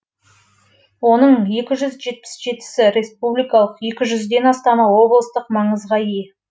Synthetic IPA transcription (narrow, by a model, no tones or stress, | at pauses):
wo̞nəɴje̞kʲɪʒʏzʒe̞t̪̚pɪ̥sʒe̞t̪ɪ̥sɪɾe̞spublijkɑlˠəqje̞kʲɪʒʏzd̪e̞nɑst̪ɑnɑwo̞blˠəst̪əqmɑɴəzʁɑij